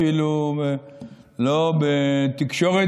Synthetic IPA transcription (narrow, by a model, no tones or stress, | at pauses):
ilubelobet̪ikʃo̞ʁe